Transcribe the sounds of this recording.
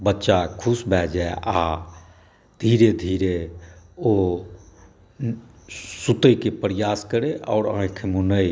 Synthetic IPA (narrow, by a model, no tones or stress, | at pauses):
bətːʃakʰusbʱɛd͡ʒaeʔa | d̪ʱiɾed̪ʱiːɾe | o | sut̪əjkepəɾjaːskəɾeʔɔ̰ːɾãkʰemunəi